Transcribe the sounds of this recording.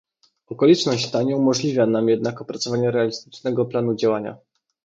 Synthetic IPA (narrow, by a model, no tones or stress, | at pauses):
ɔkɔlʲit͡ʂnɔɕt͡ɕt̪aɲɛumɔʐlʲivʲjanamjɛd̪nakɔpɾat̪sɔvaɲɛɾɛalʲist̪ɘ̥t͡ʂnɛɡɔplanud͡ʑawaɲa̰